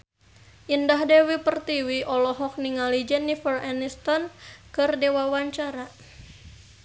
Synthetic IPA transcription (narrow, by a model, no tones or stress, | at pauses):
ʔəndaɦdewipərt̪iwiʔɔlɔɦɔk̚niŋalid͡ʒɛnifəranist̪ɔnkɨrdewawaɲt͡ʃaɾa